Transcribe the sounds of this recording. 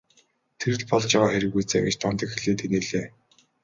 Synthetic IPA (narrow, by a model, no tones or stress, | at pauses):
t̪ʰeɾɘ̆ɮpɔɮt͡ɕjawaːxæɾʲɪ̆ɣujt͡sæwʲit͡ɕt̪ʰɔmt̪ə̆kxeɮeːt̪eneɮeː